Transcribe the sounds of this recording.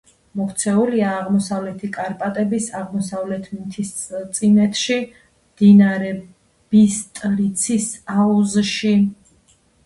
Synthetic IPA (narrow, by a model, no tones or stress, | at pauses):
mɔkʰt̪sʰɛuliaːʁmɔsavlɛt̪ʰikʼaɾpʼat̪ʼɛbisaʁmɔsavlɛt̪ʰmt̪ʰist̪sʼinɛt̪ʰʃi | md̪̥inaɾɛ | b̥ist̪ʼɾit̪sʰisauzʃi